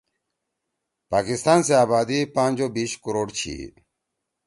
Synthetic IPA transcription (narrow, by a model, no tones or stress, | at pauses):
paːkist̪aːnseaːbaːd̪ipãːnʲd͡ʑobiːɕkuɾoːɖt͡ɕʰḭ